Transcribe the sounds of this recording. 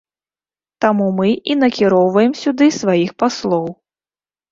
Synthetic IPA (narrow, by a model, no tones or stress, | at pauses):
t̪amumɨʔinɐkʲiɾɔwvɐjɛmsʲud̪ɨsvajixpaslˠɔw